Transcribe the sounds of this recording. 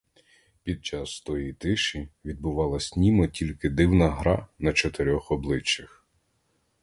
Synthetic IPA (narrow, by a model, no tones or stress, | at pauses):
pʲid̪̚t͡ʃɑst̪ɔjijt̪ɪʃiʋʲid̪̚bʊʋɑlˠɐsʲnʲimɔtʲilʲkɪd̪ɪwnɐɦɾɑnɐt͡ʃɔt̪eɾʲɔxɔblˠɪt͡ʃːɐx